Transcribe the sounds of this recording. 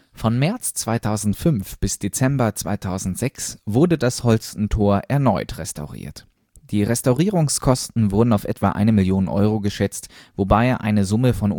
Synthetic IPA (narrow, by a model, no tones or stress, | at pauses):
fɔnmɛɐt͡st͡sv̥aɪtʰaʊzn̩tfʏnfb̥ɪsd̥et͡sɛmbɐt͡sv̥a̰ɪtʰaʊzn̩tz̥ɛksv̥ʊɐdədashɔlstn̩tʰoːɐʔɛɐnɔʏtʁ̥ɛstʰa̰ʊʁḭːɐt | d̥iːʁɛstaʊʁiːʁʊŋskʰɔstn̩vʊɐdn̩aʊfʔɛ̰tv̥a̰ːʔa̰ɪnəmɪljoːnənʔɔ̰ʏʁoɡəʃɛt͡stvobaɪʔa̰ɪnəzʊməfɔn